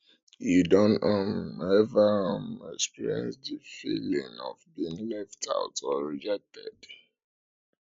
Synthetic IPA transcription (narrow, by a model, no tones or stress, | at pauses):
jidɔ̃nɔmɛvamɛkspiɹiɛ̰̃nsdəfilḭ̃ŋɔ̰vbiĩŋlɛftʰa̰ʊtʰɔɹid͡ʒɛk̚tʰɛ̰d̥